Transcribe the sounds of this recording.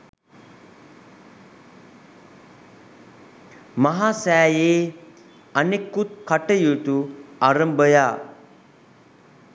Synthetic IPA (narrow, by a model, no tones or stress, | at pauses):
maɦaːsæːjeː | anekːut̪̚kaʈəjutuaɾəmbəjaː